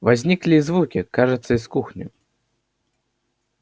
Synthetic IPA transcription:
vazʲnʲiklʲizvukʲikaʐɨt̪sːɐiskuxnʲṵ

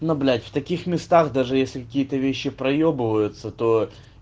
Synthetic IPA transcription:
noblʲætʲft̪ɐkʲixmʲɪst̪axd̪aʐɨjesʲlʲɪkɐkʲijət̪əvʲeɕːɪpɾɐjobɨvəjʊt̪sət̪o

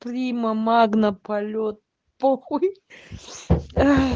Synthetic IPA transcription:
pɾʲimɐmaɡnəpɐlʲot̪̚ | poxuj | a

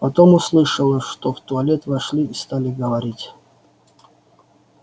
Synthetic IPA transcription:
pɐt̪omʊslˠɨʂəlˠəʂt̪oft̪ʊɐlʲet̪vɐʂlʲiːst̪alʲɪɡəvɐɾʲitʲ

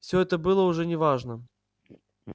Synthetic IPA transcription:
fsʲoɛt̪əbɨlˠəʊʐɛnʲɪvaʐnə

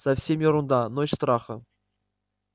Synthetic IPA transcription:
safsʲemʲjŏɾund̪ɑnoiɕst̪rɑχɤ̰̆

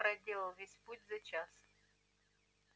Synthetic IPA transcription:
ɾɐdʲelˠəlˠvʲesʲputʲzɐt͡ʃas

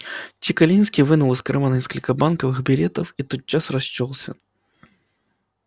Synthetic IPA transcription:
t͡ɕʲɪkalʲinskʲivɨnulˠɨskɾɨmanɐnʲɲʲeskəlʲkəbankɐvɨxbʲɪlʲet̪əfit̪ot̪̚t͡ɕːasrɐst͡ɕːɔlˠsʲɐ̰

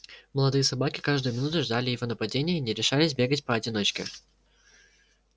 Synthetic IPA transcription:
məlˠɐd̪ɨjəsɐbakʲɪkaʐd̪ʊjʊmʲɪnut̪ʊʐd̪alʲɪjɪvʲonəpɐdʲenʲɪjəinʲɪɾʲɪʂalʲɪsʲbʲe̞ɡətʲpəɐdʲɪno̞t͡ɕkʲɪ̰

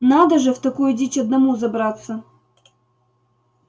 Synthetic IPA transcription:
nad̪əʐɨft̪ɐkujʊdʲit͡ɕʲɐd̪nɐmuzɐbɾat̪sə

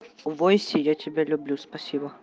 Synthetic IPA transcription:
vojsʲɪjatʲɪbʲelʲʊblʲuspɐsʲibɐ

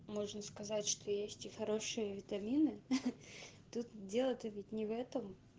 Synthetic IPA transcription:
moʐnəskɐzatʲʂt̪ʰojesʲtʲɪxɐɾoʂɨjəvʲɪt̪ɐmʲinɨ | t̪ut̪dʲelˠət̪əvʲɪtʲnʲɪvɛt̪əm

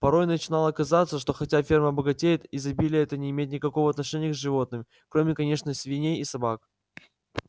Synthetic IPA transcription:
pɐɾo̞jnət͡ɕɪnalˠɐkɐzat̪sːəʂt̪o̞xɐtʲafʲerməɐbəɡɐtʲejɪt̪izɐbʲilʲɪjɛt̪ənʲɪːmʲetʲnʲɪkɐko̞vəɐt̪nɐʂɛnʲɪjəkzʲʐɨvo̞t̪̚nɨmʲ | kɾo̞mʲɪkɐnʲe̞ʂnəsʲvʲɪnʲejisɐbak̚

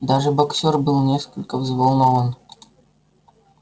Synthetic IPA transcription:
d̪ɑʐɘ̆boksʲorbɨlˠnʲeskəlʲkʲə̆vzvolˠnɤlɤn

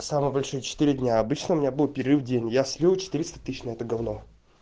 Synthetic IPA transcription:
samɨjəbɐlʲʂɨjət͡ɕɪ̥t̪ɨɾʲɪdʲnʲaɐbɨt͡ɕnəʊmʲɪnʲabɨlˠpʲɪɾʲɪrɨvdʲenʲjasʲlʲivˠt͡ɕɪ̥t̪ɨɾʲɪst̪ə̥t̪ːɨɕnɐɛt̪əɡɐvno

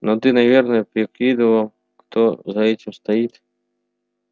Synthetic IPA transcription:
nɔt̪ɪnɐʋʲɛrnɐɛpʲɾʲɪkʲid̪ɪʋɐ | xt̪ɔzɐɛtʲiɪmst̪ɐjit̪ʲ

